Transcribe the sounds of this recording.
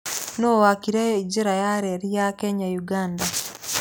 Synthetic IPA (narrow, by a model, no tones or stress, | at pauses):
nowakiɾeid͡ʒeɾajaɾeɾijakɛɲajuɡaːnda